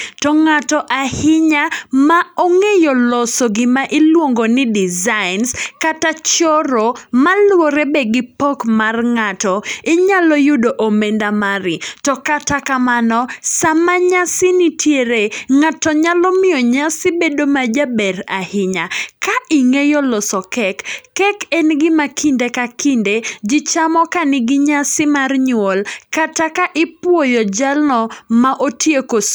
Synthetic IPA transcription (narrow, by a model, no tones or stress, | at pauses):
tɔŋatɔʔahɪɲamaoŋejolɔsɔɡɪmaʔɪlwoŋɡonɪdɪzaɪnskatat͡ʃɔɾomalwɔɾebɛɡɪpɔkmarŋatɔɪɲalɔjʊdoʔomɛndamaɾɪtɔkatakamanɔsamaɲasɪnitjeɾeŋatɔɲalɔmɪɔɲasɪbedomad͡ʒabɛɾahɪɲakaʔɪŋejɔlɔsɔkɛkːɛkɛnɡɪmakindekakinded͡ʒɪt͡ʃamɔkanɪɡɪɲasɪmarɲʊɔlkatakaʔɪpwojɔd͡ʒalnɔmaʔotjeko